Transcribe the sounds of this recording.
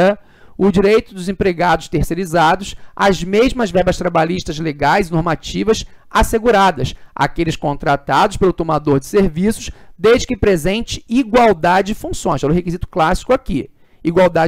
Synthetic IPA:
ʊd͡ʒiɾejt̪ʊd̪ʊzẽpɾeɡad̪ʊʃt̪eɾseɾizad̪ʊsazmeʒmɐzvɛɾbɐʃt̪ɾabaliʃt̪ɐzleɡajzɪnoɾmat͡ʃivɐsaseɡuɾad̪ɐsa̰kelɪʃkõnt̪ɾat̪ad̪ʊʃpelʊt̪omad̪oɾd͡ʒɪseɾvisʊ̥ʃd̪eʒd͡ʒɪkɪpɾezẽnt͡ʃɪ̥iɡwawd̪ad͡ʒɪd͡ʒɪfũsõj̃ʃɛlʊhekizit̪ʊ̥klasi̥kʊaki | iɡwawd̪ad͡ʒ

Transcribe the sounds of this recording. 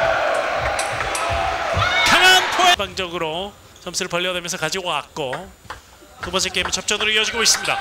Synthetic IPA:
kaŋantʰoebaŋd͡ʑʌɡɯɾo | t͡ɕʌmsʰɯɾɯɭpʌʎːʌdwemjʌnsʰʌkad͡ʑiɡoak̚k͈o | kɯbʌns̬ʰek͈emɯt͡ɕʰʌp̚t͡ɕ͈ʌnɯɾɯiʌd͡ʑiɡois͈ɯmɲida̰

